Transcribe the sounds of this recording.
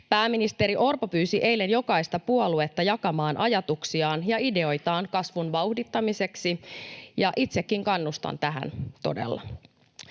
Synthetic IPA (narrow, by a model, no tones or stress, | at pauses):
pæːminist̪e̞ɾiʔo̞rpopyːsiʔe̞jlːe̞njo̞kɑist̪ɑpuolue̞t̪ːɑjɑkɑmɑːnʔɑjɑt̪uksiɑːnjɑide̞o̞jt̪ɑːŋkɑsʋunʋɑuhdit̪ːɑmise̞ksijɑʔit̪sekːiŋkɑnːust̪ɑ̰nt̪æɦæ̰nt̪o̞̰de̞̰lːɑ̰